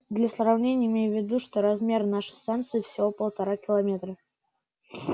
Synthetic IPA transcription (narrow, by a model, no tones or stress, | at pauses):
d̪lʲəsrɐvnʲenʲɪjɪmʲejʊvʲːɪd̪uʂt̪o̞ɾɐzmʲe̞rnaʂɨ̥st̪ant̪sɨjɪfsʲɪvo̞pəlˠt̪ɐɾakʲɪlˠɐmʲe̞t̪ɾə